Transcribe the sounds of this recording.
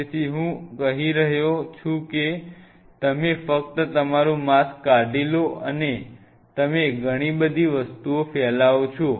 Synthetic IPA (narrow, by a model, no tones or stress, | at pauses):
et̪ʰiɦũkəɦiɾəɦjot͡ʃʰũke | t̪əmefək̚t̪ət̪əmaɾũmaskaɖiloəne | t̪əmeɡʱəɽ̃ibəd̪ʱiʋəst̪uofɛlaʋot͡ʃʰu